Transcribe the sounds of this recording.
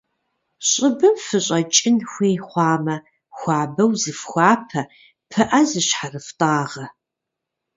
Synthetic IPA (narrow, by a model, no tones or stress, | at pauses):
ɕʼɪbɨmfɨɕʼɐt͡ʃʼɪnxʷeːχʷɑːmɐ | xʷɑːbɐwzɨfxʷɑːpʰɐ | pʰɨʔɐzɨɕħarɨftʼaːʁɐ